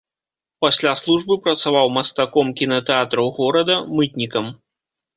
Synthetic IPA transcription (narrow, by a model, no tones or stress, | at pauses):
pasʲlʲaslˠuʐbɨpɾɐt̪savawmɐst̪akɔmkʲinɐt̪ɛat̪ɾɐwɣɔɾɐd̪ɐmɨt̪̚ʲnʲikɐm